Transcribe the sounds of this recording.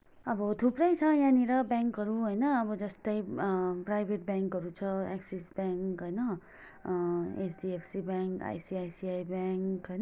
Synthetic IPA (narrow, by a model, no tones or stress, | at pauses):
ʌbʌt̪ʰuprʌjt͡sʰʌjaniɾʌbaŋkɦʌɾuɦojnʌːbʌd͡zʌst̪ʌjpɾajbʱeʈ̚baŋkɦʌɾut͡sʰʌa̰ksesbaŋkɦojnʌ | et͡sʰdiepʰsibaŋka̰jsiajsiajbaŋkɦʌjnʌ